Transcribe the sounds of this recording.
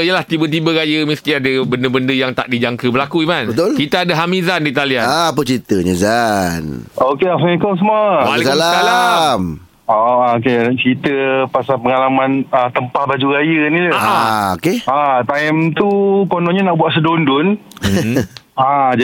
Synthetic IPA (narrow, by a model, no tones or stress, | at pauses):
ijəlaht̪ibət̪̬ibəɾajəmisk̪iadəbəndəbəndəjaŋt̪a̰ʔdid͡ʒaŋkəbəlakuimanbət̪ʊlkit̪aadəɦamĩzandit̪aliaaap̬ət͡ʃɾit̪əɲəzanokeasikəms̬əmuəalisalaalam | oakeat͡ʃɾit̪əpasapəŋalamãnət̪əmpahbad͡ʒuɾajənĩləaokeat̪aɛmt̪ukonɔɲənaʔbuaʔsədondʊn | ad͡ʒ